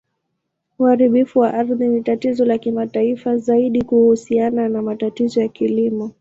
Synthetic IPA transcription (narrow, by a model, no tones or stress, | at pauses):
uhaɾiɓifuwaʔaɾðinitatizɔlakimataifazaiɗikuhusiananamatatizɔjakilimɔ